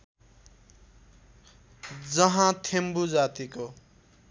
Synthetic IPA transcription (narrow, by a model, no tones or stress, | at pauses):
d͡zʌɦãt̪ʰembud͡zat̪iko